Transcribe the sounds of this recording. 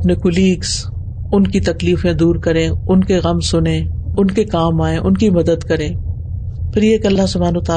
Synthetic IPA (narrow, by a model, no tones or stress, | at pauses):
ɐpnekʊliːks | ʊnkit̪ɐkliːfẽd̪uːɾkɐɾẽːʊnkeɣɐmsʊnẽːʊnkekaːmaːẽʔʊnkimɐd̪əd̪kɐɾẽː | pʰɪɾjeːkɐlːaɦsʊbʱaːnːt̪aː